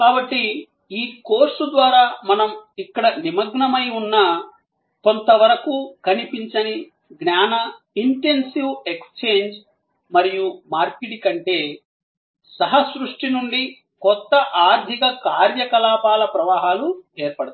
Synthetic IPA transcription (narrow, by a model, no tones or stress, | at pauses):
kaːbɐʈːi | iːkoːɾsud̪ʋaːɾaːmɐnɐmikːɐɽɐnimɐɡɳɐmɐjunːɐ | ko̞nt̪ɐʋɐɾɐkukɐnipiɲt͡ʃɐni | ɡnaːnɐ | iɳʈe̞nsiwekst͡ʃe̞ːɲd͡ʒ | mɐɾijumaːɾkiɽikɐɳʈe̞ː | sɐɦɐsɾuʂʈinuɳɖi | kɔt̪ːɐʔaːɾd̪ʱikɐkaːɾjɐkɐlaːpaːlɐpɾɐʋaːɦaːlueːɾpɐɽɐt̪